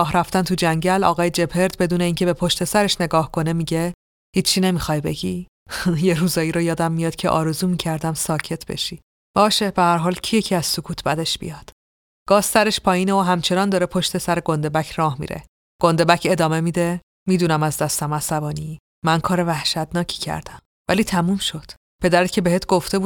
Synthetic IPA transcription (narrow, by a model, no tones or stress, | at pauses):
ɒːɦɾæft̪ænt̪ʰud͡ʒæɲɟælɒ̰ːɣɒːjed͡ʒe̞pʰe̞ɾd̪be̞d̪uːne̞iːŋcʰe̞be̞pʰo̞ʃt̪e̞sæɾeʃne̞ɡɒːhkʰo̞ne̞miːɟe̞ | hiːt͡ʃʰːine̞mixɒːjbe̞̰ɟi | je̞ɾuːzɒːjiːɾojɒːd̪æmːijɒːd̪̥cʰe̞̰ʔɒ̰ːɾe̞zuːmiːcʰæɾd̪æmsɒːcʰe̞t̪ʰbe̞̰ʃi | b̥ɒːʃebehæɾɦɒːlcʰijecʰiæz̥sokʰuːt̪ʰbæd̪e̞ʃb̥ḭjɒːd̪̥ | ɡ̥ɒːhsæɾe̞ʃpʰɒːjiːneoɦæmt͡ʃʰe̞nɒːnd̪ɒːɾe̞pʰo̞ʃt̪e̞sæɾe̞ɡo̞nd̪e̞bæcʰrɒːhmḭːɾḛ | ɡ̥ond̪e̞bæcʰe̞d̪ɒːme̞miːd̪e | miːd̪uːnæmæzd̪æst̪æmæsæbɒːniː | ænkʰɒːɾe̞væhʃæt̪nɒːcʰi̥cʰæ̰ɾd̪æm | væliːt̪ʰæmuːmʃo̞d̪̥ | pʰe̞d̪æɾet̪cʰe̞beheːt̪ʰɡ̥o̞ft̪e̞buː